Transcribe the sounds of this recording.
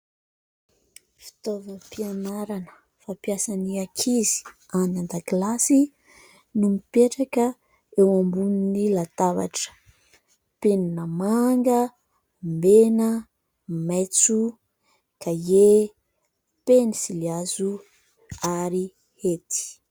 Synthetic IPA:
fi̥t̪ovəpianaɾanə̥ | fapjasaniakʰizi̥ | anand̪aɡlasi | numipeʈ͡ʂakə | ewambuninilat̪ava̰ʈ͡ʂə̥ | peninəmaŋɡə | mbenə | met͡su | kʰaje | penisiliazu | aɾi | het̪i̥

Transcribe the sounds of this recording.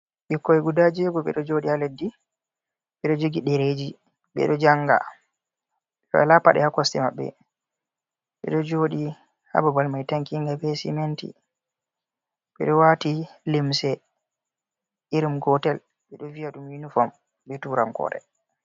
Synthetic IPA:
ɓikːɔɛɡudad͡ʒɛɡɔɓɛ̰ɗɔd͡ʒoɗialedːi | ɓɛɗɔd͡ʒoɡiɗɛɾed͡ʒi | ɓɛ̰ɗɔd͡ʒaŋɡa̰ | ɓɛɗɔ̰ɛ̰lapa̰ɗɛ̰hakɔstɛma̰ɓːɛ̰ | ɓɛ̰ɗɔd͡ʒoɗi | ha̰babalmajtaŋkiŋɡabɛsḭmentḭ | ɓɛ̰ɗɔwatilimsɛ | iɾimɡɔtɛl | ɓɛɗɔvijaɗumjinufɔm | ɓɛtuɾamkɔ̰ɾɛ̰

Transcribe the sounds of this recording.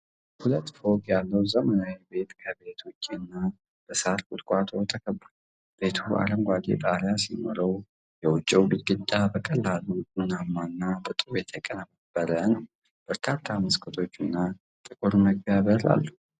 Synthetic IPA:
hulət̪ːfo̞kjalːəwzəmənawebe̞t̪kʰəbe̞t̪wʊt͡ʃʼːiɨnːa | b̥əsaɾkʼʊt̪ʼkʼat̪ʰo̞t̪ʰəkʰəbːəɾ | b̥e̞t̪ʰuʔa̰ləmɡʷad̪ḛt̪ʼaɾjasino̰ɾəw | jɛwʊt͡ʃʼːɛwbɨt̪ɡɨt̪ʼːabəkʼəlːaluɨnamːanːabɨt̪ʼujɛt̪ʰəkʼənəməb̥ːəɾənəw | b̥əɾkʰat̪ʰːaməskʰət̪ʰo̞t͡ʃːɨnːa | t̪ʼɨkʼuɾməɡvjaβəɾa̰lːu

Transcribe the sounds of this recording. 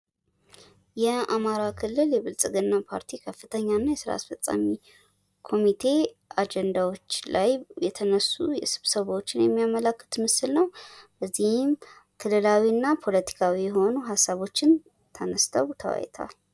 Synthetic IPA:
jɛamaɾakʰɨlːɨljɛβɨlsʼɨɡɨnːapʰaɾt̪ʰikʰəfːɨt̪ʰəɲːanːajɛsɨɾa̰a̰sfət͡sʼːa̰mi | kʰo̞mit̪ʰe̞ | ad͡ʒɛnd̪awo̞t͡ʃːlajbɛt̪ʰənəsːujɛsɨβsəβot͡ʃːɪnjɛmːijamələkːə̥t̪mɨsɨlnəwb̥əzːihɪm | kʰɨlːɨlawiɨnːapʰo̞lət̪ʰi̥kʰawijɛɦo̞nuɦasːaβo̞t͡ʃːɪn | t̪ʰənəst̪ʰəwt̪ʰəwa̰j̰t̪ʰa̰l

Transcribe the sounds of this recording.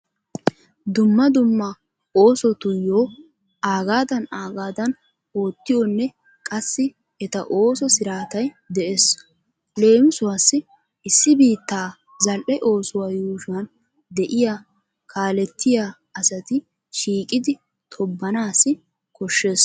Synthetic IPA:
d̪ʊmːɐd̪ʊmːɐ | oːsɔt̪ʊjːoː | aːɡaːd̪ɐnaːɡaːd̪ɐn | o̞ːt̪ːɪjonːɛ | kʼɐsːɪ | ɛt̪ɐ̰ʔo̞ːsɔsɪɾaːt̪ɐj | d̪ɛʔes | le̞ːmɪsʊwaːsːɪ | ɪsːɪbiːt̪ːaː | zɐlʔɛʔo̞ːsʊwaːjuːʃʊɐn | d̪ɛʔɪja | kʰaːlɛt̪ːɪjaː | ɐsɐt̪ɪ | ʃiːkʼɪd̪ɪ | t̪ʰɔbːɐnaːsɪ | kɔʃːe̞ːs

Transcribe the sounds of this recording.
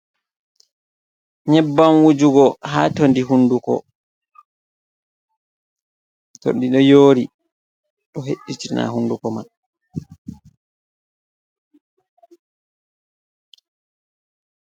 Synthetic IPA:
ɲɛbːanwud͡ʒuɡɔɦaːtondiɦundukɔ̰ | to̰ndiɗɔjoːɾi | ɗɔɦeɗːitina̰hundukɔma̰n

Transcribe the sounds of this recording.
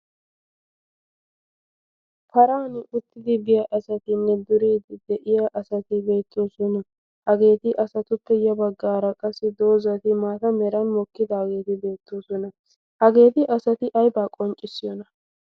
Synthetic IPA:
pʰɐɾaːnɪʔʊt̪ːɪd̪ɪbɪjɐʔɐsɐt̪ɪnːɛd̪ʊɾiːd̪ɪd̪ɛʔɪjɐʔɐsɐt̪ɪbe̞ːt̪ːoːsɔnɐ | hɐɡe̞ːt̪ɪʔɐsɐt̪ʊpːɛjɐbɐɡːaːɾɐkʼɐsɪd̪o̞ːzɐt̪ɪmaːt̪ɐmɛɾɐnmɔkːɪd̪aːɡe̞ːt̪ɪbe̞ːt̪ːoːsɔnɐ | hɐɡe̞ːt̪ɪʔɐsɐt̪ɪʔɐjbaːkʼɔnt͡ʃʼɪsːɪjɔnɐ

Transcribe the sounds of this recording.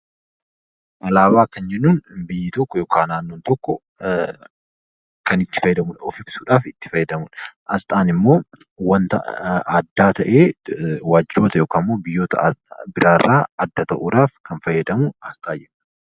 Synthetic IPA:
ʔɐlaːβaːkɐnd͡ʒɛnːuːnbɪjːɪt̪ɔkːɔjoːkaːnaːnːoːnt̪ɔkːɔ | kɐnɪt̪ːɪ̥fɐjːɛd̪ɐmʊnɔfɪbsuːᶑaːfɪt̪ːɪ̥fɐjːɛd̪ɐmʊnɐst̪ʼaːnɪmːo̞ː | wɐnt̪ɐ̰ɐd̪ːaːt̪ʰɐʔeːwaːd͡ʒoːt̪ɐjoːkaːmːoːbɪjːoːt̪ɐbɪɾʔaːrːaːɐd̪ːɐt̪ɐʔuːᶑaːfkɐnfɐjːɐd̪ɐmʊɐst̪ʼaːd͡ʒɛᶑɐ̥

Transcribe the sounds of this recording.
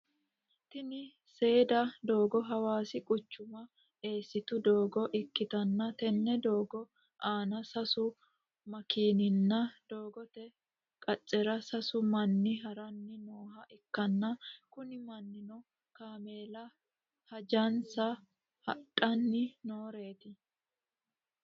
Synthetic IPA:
t̪ɪnɪ | se̞ːd̪ɐd̪o̞ːɡɔɦɐwaːsɪkʼʊt͡ʃːʊmɐ | e̞ːsːɪt̪ʊd̪oːɡɔʔɪkːɪt̪ɐnːɐt̪ɛnːɛd̪oːɡɔ | ʔaːnɐsɐsʊ | mɐkiːnɪnːɐd̪̥o̞ːɡɔt̪ɛ | kʼɐt͡ʃʼːɛɾɐsɐsʊmɐnːɪɦɐɾɐnːɪnoːɦɐʔɪkːɐnːɐkʊnɪmɐnːɪnɔ | kaːmeːlɐ | hɐd͡ʒɐnsɐ | hɐᶑʼɐnːɪno̞ːɾe̞ːt̪ɪ

